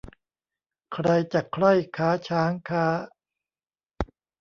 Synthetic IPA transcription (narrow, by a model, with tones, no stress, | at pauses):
kʰɾa˧jt͡ɕa˨˩kʰɾa˥˩jkʰaː˦˥t͡ɕʰaː˦˥ŋkʰaː˦˥